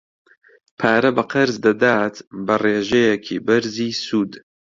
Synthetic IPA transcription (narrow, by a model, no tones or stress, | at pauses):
pʰaːɾɐbɐqɐɾzd̪ɐd̪aːt̪bɐreːʒejekʰḭːbɐɾziːsuːd̪